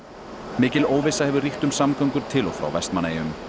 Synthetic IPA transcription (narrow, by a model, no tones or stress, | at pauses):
mɪːcɪloːwvɛsahɛvʏriht̪ʏmsamkœɥŋkʏɾ̥t̪ʰɪlɔɣfɾa̰wvɛst̪manːejʏm